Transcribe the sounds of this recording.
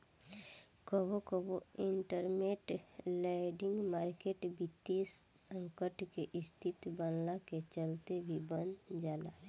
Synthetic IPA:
kəbokəboɪɳʈəɾmeʈlɛɖɪ̃ŋɡmaːɾkeːʈbit̪ːissə̃ŋkəʈkeʔɪst̪ʰɪt̪bənlaket͡ʃəlt̪ebʱibənd͡ʒaːla̰

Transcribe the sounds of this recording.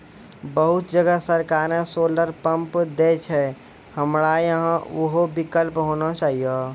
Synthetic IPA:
bəɦʊt̪d͡ʒəɡəsəɾkaːɾẽsoːləɾpə̃mpd̪et͡ʃʰɛ | həmɽajəɦãʊɦobɪkəlpɦoːnat͡ʃaːɦija

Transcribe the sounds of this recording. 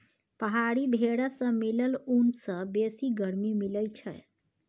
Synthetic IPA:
pəɦaɽibʱeɽasə̃miləlunsə̃besiɡəɾmimiləjt͡ʃʰəj

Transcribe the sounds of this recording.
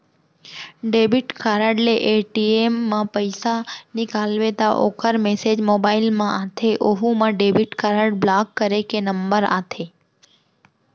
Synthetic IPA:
ɖebiʈkaɾəɖleʔeʈiemːãpəjsanikalʋet̪aʔo̰kʰəɾmesed͡ʒmobailmãʔat̪ʰeʔoɦũmãɖebiʈkaɾəɽblakːəɾekenəmbəɾa̰t̪ʰe

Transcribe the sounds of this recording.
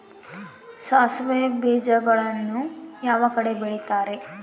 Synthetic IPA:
saːsʋebiːd͡ʒɐɡɐɭɐnːujaːʋɐkɐɽe̞biɭit̪aːɾe̞

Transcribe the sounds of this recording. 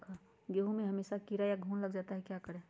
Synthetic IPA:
ɡeɦũmẽɦəmeːsakiɾajaɡʱũːnləɡd͡ʒaːt̪aɦɛkjakəɾẽ

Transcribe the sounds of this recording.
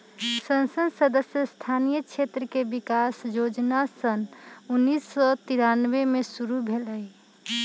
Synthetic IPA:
sənsənsəd̪əsjəst̪ʰanijəkt͡ʃʰet̪ɾəkebikasjod͡ʒnasənunːisːɔt̪iɾanʋemesuɾubʱeləi

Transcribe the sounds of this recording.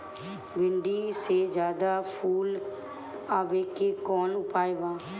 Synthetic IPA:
bɪɳɖised͡ʒjaːd̪aːpʰuːl | aːʋeːkekɔːnʊpaːeʋãː

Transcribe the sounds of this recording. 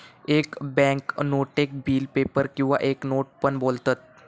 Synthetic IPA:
ekbɛ̃ŋknoʈek̚biːlpepəɾkĩw̃ʋa̰ʔeknoʈ̚pəɳbolt̪at̪̚

